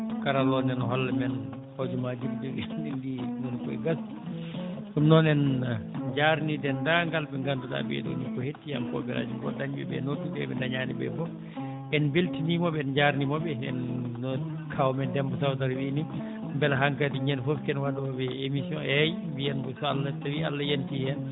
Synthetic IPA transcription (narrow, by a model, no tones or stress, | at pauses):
kaɾalːɔnɛnɦɔlːamɛn | hod͡ʒumad͡ʒumd͡ʒuɡɛɛndinɔnkɔḭɡas | sumnɔnɛnd͡ʒaɾnidɛndaŋɡalbɛŋɡanduɗa̰bɛ̰ɗṵnikɔhetːija̰mkɔ̰bɛɾʔa̰d͡ʒumɡɔ̰daɲbɛ̰bɛ̰notːuɗɛ̰bɛ̰ndaɲaːnḭbɛ̰fɔf | ʔɛnbeltinimɔbɛɛnd͡ʒaɾnimɔbɛɛnːɔ | kʰawmɛndɛmbɔsawtaɾwini | mbɛlaɦaŋkatiɲɛnfɔfkɛnwadɔbɛemisijɔ̰nɛj | bijɛnbɔsɔa̰lːatawia̰lːajantiɛn